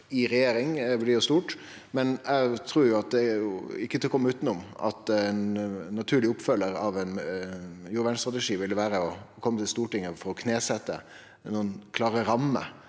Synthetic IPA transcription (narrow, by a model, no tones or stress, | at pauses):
ɪɾɛjeːɾɪŋɛʋɪld̪ɪjʊst̪uːʈ | mɛnʔɛɡt̪ʰɾuːɾjʊɑt̪̚d̪ɛʊɪkːət̪ɪlkɔmːəʉːt̪ənʊmɑ̰t̪ɛnːɑt̪ʰʉːɭɪʊpfœlːəɾɑʋɛn | jʊɾʋɛnst̪ʁɑt̪əʂiːʋɪld̪əʋæːɾəɔkʰɔmːət̪ʰɪlst̪uːʈɪŋːəfɔɾɔkʰneːsɛt̪ːə̰ | nuːənkʰlɑːɾəɾɑmːə̰